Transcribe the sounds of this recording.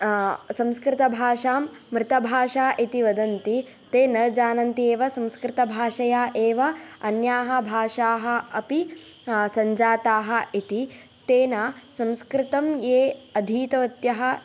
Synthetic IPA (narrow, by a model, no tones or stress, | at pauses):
sɐ̃mskɾɪt̪ɐbʱaːʂaːmːɾɪt̪ɐbʱaːʂaːʔit̪iʋɐd̪ɐnt̪i | t̪eːnɐd͡ʒaːnɐnt̪ieːʋɐsɐ̃mskɾɪt̪ɐbʱaːʂɐjaːʔeːʋɐɐnjaːɦɐ̆bʱaːʂaːɦɐ̆ɐpi | sɐɲd͡ʒaːt̪aːɦɐ̆it̪i | t̪eːnaːsɐ̃mskɾɪt̪ɐmjeːɐd̪ʱiːt̪ɐʋɐt̪jɐɦɐ̆